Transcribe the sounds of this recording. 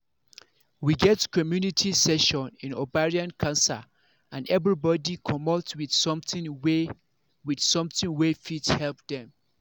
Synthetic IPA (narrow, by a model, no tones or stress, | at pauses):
wiɡɛtkʰɔmjunitʰisɛʃɔ̃nĩnobaɹiãnkʰãnsa̰ | ãnɛvɹibɔdikʰɔmɔltwiθsɔ̃mθɪ̃we | widsɔ̃mθɪ̃ŋwefitshɛlp̚dɛ̃m